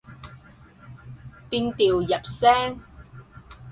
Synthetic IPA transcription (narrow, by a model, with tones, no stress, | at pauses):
piː˧nt̪iː˨wjɐ˨˩p̚sɛː˥ŋ